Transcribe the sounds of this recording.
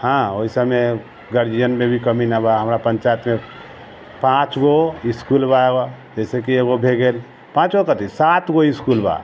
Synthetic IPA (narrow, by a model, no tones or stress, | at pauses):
hãoɪsamẽ | ɡəɾd͡ʒijənmẽbʱikəminabaɦəmɾapə̃ɲt͡ʃaːjət̪mẽ | pãːt͡ʃɡoɪskuːlbaeɡod͡ʒɛːsekieɡobʱeɡel | pãːt͡ʃɡokət̪isaːt̪ɡoɪskuːlba̰ː